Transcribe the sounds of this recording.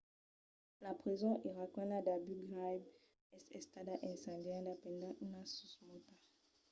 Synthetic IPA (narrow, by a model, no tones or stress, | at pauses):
lapχizɔ̃ʔiʁakɔ̃nadabyɡʁajb | ɛsɛst̪adaʔɛ̃sɑ̃djãdapɛ̃ndãʔunasusmota